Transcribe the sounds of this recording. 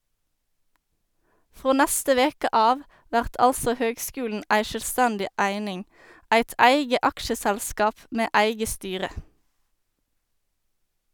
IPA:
ˈfʁoː ˈnæstə ˈʋeːkə ˈʔɑːʋ ˈʋæʁt ˈʔɑlsɔ ˈhøːɡˌskʉːln̩ ˈʔæɪ ʃœlˈstændɪ ˈʔæɪnɪŋ ˈʔæɪt ˈʔæɪɡə ˈʔɑkʃəˌsælˌskɑːp ˈʔmeː ˈʔæɪɡə ˈstyːʁə

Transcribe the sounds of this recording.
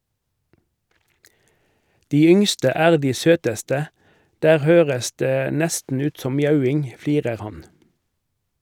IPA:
ˈdiː ˈʏŋstə ˈæːʁ ˈdiː ˈsøːtəstə ˈdæːʁ ˈhøːʁəs ˈdeː ˈnɛstn̩ ˈʉːt ˈsɔm ˈmjɑʉˌɪŋ ˈfliːʁəʁ ˈhɑn

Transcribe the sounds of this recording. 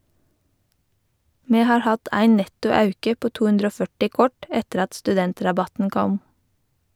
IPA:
ˈmeː ˈhɑːɹ ˈhɑt ˈæɪ ˈnɛtʊ ˈɑʉkə ˈpoː ˈtuː ˈhʉndɾ ˈoː ˈfœʈɪ ˈkɔʈ ˈɛtəɾ ˈɑt stʉˈdɛntɾɑˌbɑtn̩ ˈkɔm

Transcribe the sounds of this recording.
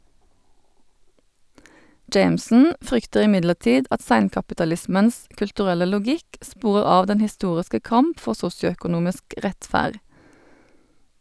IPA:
ˈd͡ʒeɪmsn̩ ˈfʁʏktəʁ ɪˈmɪdləʁˌtiːd ˈɑt ˈsæɪnkɑpɪtɑˌlɪsməns kʉltʉˈʁɛlə lʊˈɡɪk ˈspuːʁəʁ ˈɑːʋ ˈdɛn hɪˈstuːʁɪskə ˈkɑmp ˈfɔʁ ˈsʊsjʊœkʊˌnuːmɪsk ˈʁɛtˌfæːʁ

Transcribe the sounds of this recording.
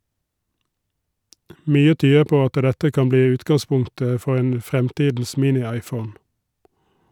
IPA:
ˈmyːə ˈtyːə ˈpoː ˈɑtə ˈdɛtə ˈkɑm ˈbliː ˈʉːtɡɑˌspʊŋtə ˈfɔʁ ˈeːn ˈfʁɛmˌtiːdn̩s ˈmiːnɪˌɑɪˌfəʊn

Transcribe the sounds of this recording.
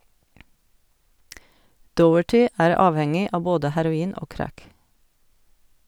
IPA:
ˈdɔəʈɪ ˈæːɾ ˈɑːʋhɛŋɪ ˈɑːʋ ˈboːdə hæɾʊˈiːn ˈoː ˈkɾæk

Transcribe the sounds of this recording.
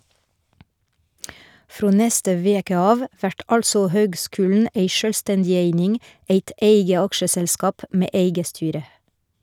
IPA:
ˈfɾoː ˈnɛstə ˈʋeːkə ˈɑːʋ ˈʋæʈ ˈʔɑlsɔ ˈhøːɡˌskʉːln̩ ˈeɪ ˈʃøːlˌstɛndɪ ˈeɪnɪŋ ˈeɪt ˈʔeɪɡə ˈɑkʃəsɛlˌskɑːp ˈmeː ˈʔeɪɡə ˈstyːɾə

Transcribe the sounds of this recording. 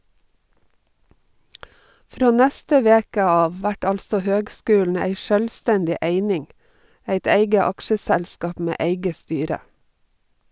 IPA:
ˈfɾoː ˈnæstə ˈʋeːkə ˈɑːʋ ˈʋæʈ ˈɑlsɔ ˈhøːɡˌskʉːln̩ ˈæɪ ˈʃœlˌstændɪ ˈeɪnɪŋ ˈæɪt ˈeɪɡə ˈɑkʃəˌsælskɑp ˈmeː ˈeɪɡə ˈstyːɾə

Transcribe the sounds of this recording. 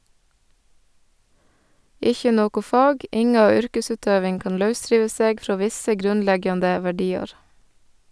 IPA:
ˈɪçə ˈnoːkʊ ˈfɑːɡ ˈɪŋɑ ˈʏɾkəˌsʉːtøːʋɪŋ ˈkɑːn ˈlɑʉˌsɾiːʋə ˈseːɡ ˈfɾoː ˈʋɪsə ˈɡɾʉnˌlɛɡjɑndə ʋæˈɖiːɑɾ

